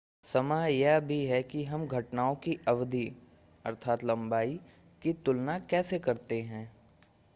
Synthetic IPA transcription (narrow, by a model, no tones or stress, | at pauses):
sɐmaːjɛbʱiɦɛkiɦɐmɡʱɐʈnaːõkiʔɐʋd̪ʱi | ɐ̰ɾt̪ʰaːt̪lɐ̃mbaːi | kit̪ʊlnakɛːsekɐɾt̪eɦɛ̃ː